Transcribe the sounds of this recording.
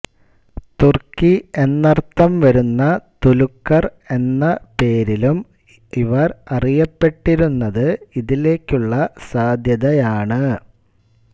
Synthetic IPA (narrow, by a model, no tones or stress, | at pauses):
t̪urkːie̞nːɐrt̪ːɐmʋɐɾunːɐt̪ulukːɐr | e̞nːɐpe̞ːɾilum | iʋɐrɐrijɐpːe̞ʈːiɾunːɐðɨiðile̞ːkʲːuɭːɐsaːd̪ʱjɐðɐjaːɳɨ